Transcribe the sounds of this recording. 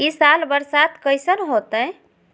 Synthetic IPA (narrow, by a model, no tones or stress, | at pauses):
isalbəɾsat̪kəjsənɦot̪ə